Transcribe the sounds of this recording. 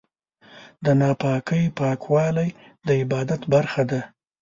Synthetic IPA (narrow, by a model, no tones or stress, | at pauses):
d̪ənɑpɑkəjpɑkwɑlaj | d̪əɪbɑd̪at̪baɾxad̪a